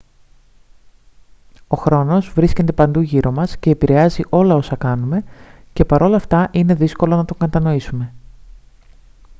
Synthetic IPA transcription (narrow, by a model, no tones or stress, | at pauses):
o̞xɾo̞no̞zvɾisce̞nt̪e̞pɐnd̪uʝiɾʔo̞mɐsce̞ːpiɾe̞ɐziʔo̞lɐo̞sɐkɐnume̞ | ce̞pɐɾo̞lɐːft̪ɐʔine̞ðisko̞lo̞nɐt̪o̞ŋɡɐt̪ɐno̞isume̞